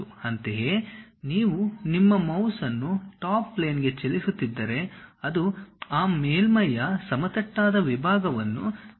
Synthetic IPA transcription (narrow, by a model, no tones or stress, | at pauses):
uɐnt̪eɦeːniːʋunimːɐmɐwsɐnːuʈaːpːleːnɡe̞t͡ʃelisut̪ːid̪ːɐɾe̞ɐd̪uaːmeːlmɐjːɐsɐmɐt̪ɐʈːaːd̪ɐʋibʱaːɡɐʋɐnːu